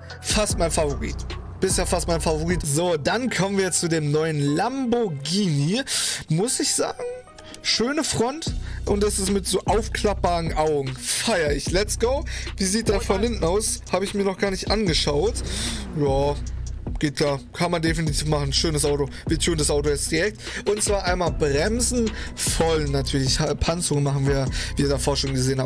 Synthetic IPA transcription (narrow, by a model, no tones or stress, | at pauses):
fast̚maɪnfavoʁḭːt | b̥ɪshaːɐfastmaɪnfavoʁiːtzoːdankʰɔmənviːɐjɛt͡st͡sudeːmnɔʏənlamboɡiːnimʊsɪçz̥a̰ːɡŋ̩ | ʃøːnəfʁ̥ɔntʔʊntd̥asɪsmɪtz̥oːʔaʊfkʰl̥ap̚b̥aʁənʔaʊɡŋ̩faɪɐɪçlɛtstɡ̥oʊviːziːt̚d̥aːɐfɔnhɪntn̩aʊshaːbəɪçmiːɐnɔχɡ̥aːɐnɪçtʔanɡəʃaʊtjaː | ɡ̥eːt̚kʰl̥aːɐkʰanmandefinitʰiːfmaχn̩ʃøːnəsʔaʊtoviːɐtʰuːndasʔaʊtoɛsd̥iʁɛk̚tʔʊntt͡sv̥aːɐʔaɪnmaːlbʁɛmzn̩fɔlnːatʰyːɐlɪçhapʰant͡sʊŋənmaχn̩viːɐviːɐdaːfɔɐʃʊŋəɡəzeːənhaː